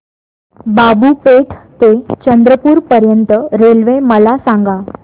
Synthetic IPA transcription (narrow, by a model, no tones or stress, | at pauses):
babupeʈʰt̪et͡ɕənd̪ɾəpuːɾpəɾjənt̪əɾelʋẽməlasãŋɡa